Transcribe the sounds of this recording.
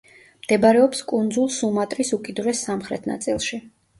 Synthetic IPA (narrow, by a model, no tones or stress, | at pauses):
md̪̥ɛbaɾɛɔpskʼund̪zulˠsumat̪ʼɾisukʼid̪uɾɛsamχɾɛ̰t̪ʰna̰t̪sʼilˠʃi